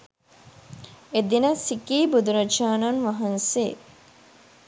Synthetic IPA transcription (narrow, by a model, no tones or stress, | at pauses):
ed̪inəsikiːbud̪uɾɐt͡ʃaːnanʋɐɦɐnse